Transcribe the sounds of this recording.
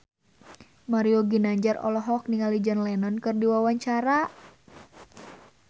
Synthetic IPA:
maɾioɡinaɲd͡ʒarɔ̰lɔɦɔk̚niŋalid͡ʒanlɛnɔnkɨrdiwawaɲt͡ʃaɾa

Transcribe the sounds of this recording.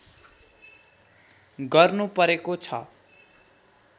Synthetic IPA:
ɡʌrnupʌɾekot͡sʰʌ̰

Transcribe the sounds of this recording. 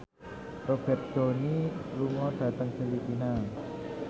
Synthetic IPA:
rob̥ɛt̪̚d̥o̤niluŋɔɖ̥ä̤t̪əŋfilipina

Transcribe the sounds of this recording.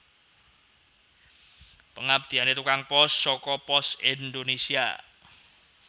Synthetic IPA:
pəŋap̚d̪̥i̤anet̪ukaŋpɔsːɔkɔpɔsind̪onesia̰

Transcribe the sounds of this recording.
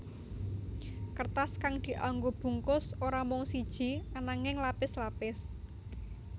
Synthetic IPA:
kərt̪askaŋd̪̥i̤ʔaŋɡob̥ṳŋkʊsoɾamɔŋsid̥ʒ̥i̤anaŋɪŋlapɪslapɪs

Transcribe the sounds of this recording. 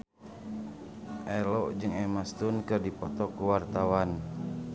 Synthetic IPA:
ʔɛlɔʔd͡ʒɨŋɛmast̪unkɨrdipɔt̪ɔkuwart̪awan

